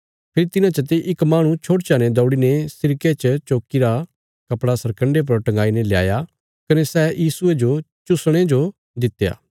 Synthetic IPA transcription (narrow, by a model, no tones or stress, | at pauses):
pʰɪɾit̪ɪnãt͡ʃɐt̪̬eʔɪkmaːɽ̃ũt͡ʃʰoːʈt͡ʃaːned̪ɔːɽinesɪɾket͡ʃət͡ʃoːkiɾa | kɐpɽasɐɾkə̃ɳɖep̬ɐɾʈɐ̃ŋɡaːinelɪja̰ːja | kɐnesɛːjiːsʊed͡ʒo | t͡ʃʊsɽ̃ed͡ʒo | d̪ɪt̪ːja̰ː